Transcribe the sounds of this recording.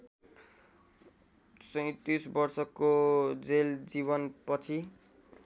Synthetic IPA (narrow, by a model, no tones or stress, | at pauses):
sʌ̃j̃t̪isbʌrsʌkod͡zeld͡zibʌnpʌt͡sʰi